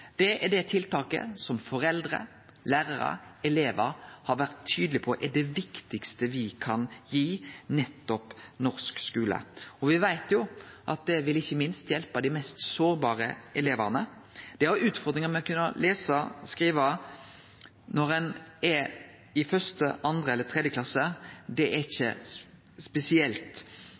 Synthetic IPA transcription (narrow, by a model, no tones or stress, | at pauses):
d̪̥ɛʔɛɖ̪ɛt̪ʰɪlt̪ɑːkə̰sɔmfɔɾɛld̪ʁə̰ | læːʁəɾə̰ɛleːʋəɾhɑɾʋæʁt̪ʰːyːd̪əlɪpʰɔʔɛd̪ɛʋɪkt̪ɪkst̪əʋɪkʰɑnjiːnɛt̪ːɔpnɔɾskskʉːlə̰ɔʋɪʋæɪt̪jʊʔɑt̪̚d̪ɛʋɪlɪçːəmɪnst̪jɛlpɑd̪ɪmɛst̪soːɾbɑːʁəɛleːʋəʁnə | d̪̥ɛɑɾʉːt̪fɔʁd̪ɾɪŋəmɛɔkʰʉnːə̰leːsəskʁiːʋə | nɔʁɛnɛɾ | ɪfœst̪ə̰ʔɑnd̪ɾəɛlːət̪ʰʁɛd̪jəklɑsəd̪ɛæɾɪçə̰ | spɛsɪɛlt̪